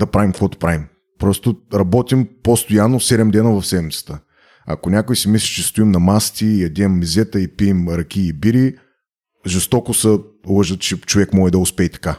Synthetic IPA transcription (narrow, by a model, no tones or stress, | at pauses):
d̪ɐpɾavimkvɔt̪o̥pɾavim | pɾɔst̪oɾɐbɔt̪ʲimpost̪ojanːosɛd̪ɛmd̪ɛnəvɐfsɛmit̪sə̥t̪ə | ɐ̰konʲakojsimislʲit͡ʃɛst̪oimnɐmast̪ʲiːjɐd̪ʲɛmːizʲɛt̪əipiːmɾɐkʲiːbiɾi | ʒɛst̪ɔkosɐ | lˠɤʒət̪t͡ʃɛt͡ʃovɛkmɔɛd̪ɐʊspɛːt̪ɐ̥ka